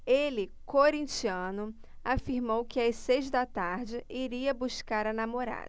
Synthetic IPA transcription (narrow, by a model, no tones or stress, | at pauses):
elɪkoɾĩt͡ʃiɐ̃nʊ | afiɾmowkɪajsejzd̪ɐt̪aɾd͡ʒɪʔiɾiɐbuskaɾɐnamoɾa̰d̪ɐ